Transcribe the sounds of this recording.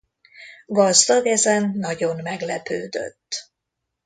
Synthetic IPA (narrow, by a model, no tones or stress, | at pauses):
ɡɒzd̪ɒɡɛzɛnːɒɟonmɛɡlɛpø̰ːd̪ø̰t̪ː